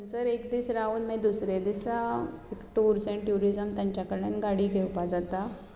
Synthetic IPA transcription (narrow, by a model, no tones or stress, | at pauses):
ənt͡səɾekd̪iːsɾaunmed̪usɾed̪isaekʈuɾsẽɳʈjuɾid͡zəmt̪jãɲt͡ɕjakəɽenɡaɽiːɡʱeʋpad͡zat̪a